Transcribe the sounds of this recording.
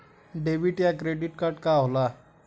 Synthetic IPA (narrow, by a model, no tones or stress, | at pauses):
ɖeʋiʈjakɾeɖiʈkaɾʈkaɦola